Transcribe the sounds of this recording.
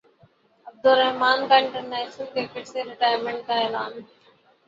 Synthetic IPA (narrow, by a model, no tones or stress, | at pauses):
ɐb̚d̪ʊlɾɐɦmaːnkaːɪ̃ɳʈəɾneːsəlkɪɾkɪʈseɾɪʈaːjəɾmẽɳʈ̚kaːeːlaːn